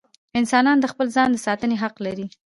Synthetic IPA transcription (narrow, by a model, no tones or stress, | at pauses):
ɪnsɑnɑnd̪əxpəlzɑnd̪əsɑt̪əneɦaqlaɾi